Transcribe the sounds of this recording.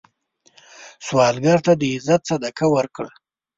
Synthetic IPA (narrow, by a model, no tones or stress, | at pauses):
swɑːlɡaɾt̪ad̪əɪzat̪sad̪akawəɾkɽa